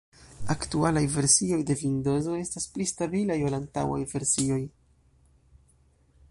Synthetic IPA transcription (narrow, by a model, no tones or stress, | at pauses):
aktualajve̞ɾsio̞jde̞vindo̞zo̞e̞stasplistabilajolanta̰wa̰jve̞ɾsio̞j